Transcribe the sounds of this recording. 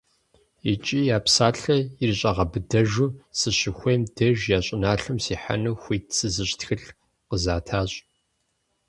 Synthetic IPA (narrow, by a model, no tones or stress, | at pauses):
it͡ʃʼiːjaːpsaːɬɐjɪrɨɕʼɐʁɐbɨdɐʒuːsɨɕɪxʷejmdɐʒjaːɕʼɪnaːɬɨmsiːħa̰nuːxʷiːtʰsɨzɨɕtxɨɬ | qəzaːtʰaːɕʼ